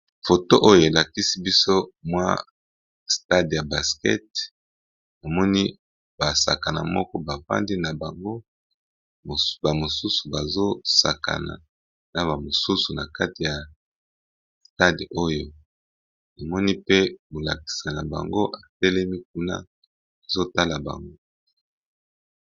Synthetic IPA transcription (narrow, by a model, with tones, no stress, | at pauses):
fo˨to˦ʔo˦jo˨e˨la˨ki˦si˦bi˦so˦mwa̰˦ | sta˦dja˨ba˨skɛ̰˦t̚ | a˨mɔ˦ni˦ | ba˨sa̰˨ka˨na̰˨mɔ˦kɔ˦ba˨fa̰˦ndi˦na˨ba˨ŋɡo˦˨ | ba˨mo˨su˦su˨ba˨zo˦sa˨ka̰˨na̰˨ | na˨βa˨mo˨su˦su˨na˨ka˦ti˨ja˨ | sta˦do˦jo˦ | na˨mɔ˦ni˦pe˦bo˨la˨ki̥˨sa˨na˨ba̰˨ŋɡo˦ʔa˨tɛ˦lɛ˦mi˦k̚u˦na̰˦ | a˨zo˦ta˦la˨ba̰˨ŋɡo˦